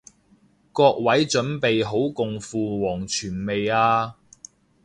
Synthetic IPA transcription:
kɔː˧k̚wɐ˨˥jt͡ʃɵ˨˥npe˨jɦo˨˥wkʊ˨ŋfuː˨wɔː˨˩ŋt͡ʃʰyː˨˩nme˨jaː˧

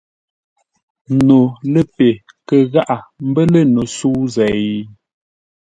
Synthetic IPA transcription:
no˨lə˦pe˨ | kə˨ɣa˦ʔa˨m̩˦bə˦lə˦˨no˨suː˦zɛ˨

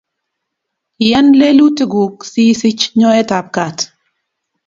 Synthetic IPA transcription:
ɪjɛ˦nle˦lu˦tɡu˨ksi˦si˦t͡ʃɲɔ˦ɛ˦ta˨p̚ka˨t

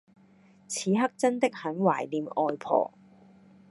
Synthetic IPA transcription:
t͡sʰiː˨˧˥ɦɐ˥k̚t͡sɐ˥nt̪ɪ˥k̚hɐ˨˥nwaː˨˩jliː˨mɔː˧jpʰɔ̰ː˨˩

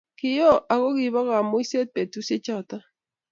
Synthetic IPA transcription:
ki˨jɔ˦˨ʔa˨ɣo˦ɣi˨βɔ˦ɣa˨mo˦i˦se˦s̚pe˨tu˦se˦t͡ʃa˦˨ta˦

